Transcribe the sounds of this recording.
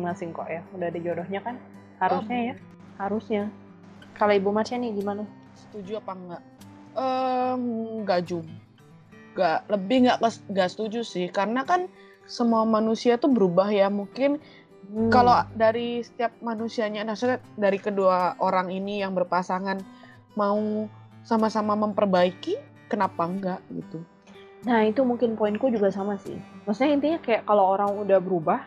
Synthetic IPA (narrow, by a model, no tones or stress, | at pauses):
masɪŋkɔ̰ʔjaudahdid͡ʒodɔhɲakan | haɾusɲaja | haɾusɲa | kaloibumasanɪɡimana | sə̥t̪ud͡ʒuapaŋɡaʔ | ə | ɡad͡ʒub | ɡaʔləbɪhŋɡaʔkəŋɡaʔsə̥t̪ud͡ʒusɪhkaɾənakan | səmuamanusiat̪ubəɾubahjamuŋkɪn | kalodaɾisə̥t̪iap̚manusiaɲanasudaɾikəduaoɾaŋinijaŋbərpasaŋan | mau | samasamaməmpərbaiki | kənapaŋɡaʔɡḭt̪u | nahit̪umuŋkɪnpoɪnkud͡ʒuɡasamasɪ̰hmasaɲaənt̪iɲakajaʔkalooɾaŋudahbəɾubah